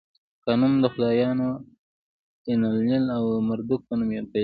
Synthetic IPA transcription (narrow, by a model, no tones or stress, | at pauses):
kanumd̪əxʊlɑːjɑːno | ɪnalnilawmaɾd̪uk̚panumjat̪a